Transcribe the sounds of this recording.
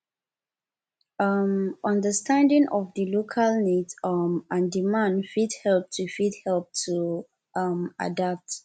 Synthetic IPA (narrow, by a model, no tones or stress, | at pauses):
ʌmɔ̃ndəstʰãndĩŋʔɔvdilokʰalnidmãndimãndfidhɛlp̚tʰufidhɛlp̚tʰu | ʌma̰dap̚t